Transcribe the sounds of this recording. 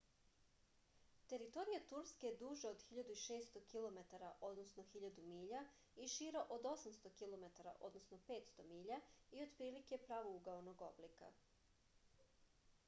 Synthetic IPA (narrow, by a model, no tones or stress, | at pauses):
t̪e̞ɾit̪o̞ɾijat̪uɾske̞ed̪uːʒaod̪xiʎad̪uiʃe̞ːst̪o̞kilˠo̞me̞t̪aɾaʔo̞d̪nosno̞xiʎad̪umiːʎa | iʃiɾaʔod̪o̞samst̪o̞kilˠo̞me̞t̪aɾa̰ʔo̞d̪no̞sno̞pe̞ːt̪st̪o̞miːʎaio̞d̪pɾiːlike̞pɾaːʋouɡaono̞ɡo̞blika̰